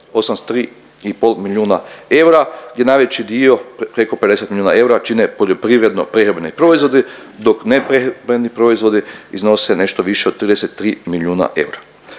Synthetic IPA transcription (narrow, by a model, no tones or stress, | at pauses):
o̞samst̪ɾiː | ipo̞lˠmilʲjuːnae̞wɾaɡd̪ʲje̞najʋe̞t͡ɕid̪io̞pɾe̞ko̞pe̞d̪eset̪milʲjuːna̰e̞wɾat͡ʃinepo̞ʎo̞pɾiʋɾe̞d̪no̞pɾeɦɾebenipɾo̞izʋo̞d̪id̪o̞knepɾebenipɾo̞izʋo̞d̪iizno̞sene̞ʃt̪oʋiʃeod̪̚t̪ɾiːd̪eset̪ːɾiːmiljuːna̰ʔe̞̰wɾa